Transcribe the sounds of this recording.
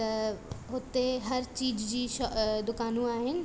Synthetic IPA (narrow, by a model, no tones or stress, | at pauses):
t̪ɐɦʊt̪eɦɐɾt͡ɕiːd͡ʑd͡ʑiːʃd̪ʊkaːnũaːɦɪnɪ̆